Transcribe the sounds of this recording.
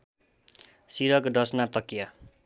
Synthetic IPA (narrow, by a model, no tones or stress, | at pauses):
siɾʌkdʌsnat̪ʌkja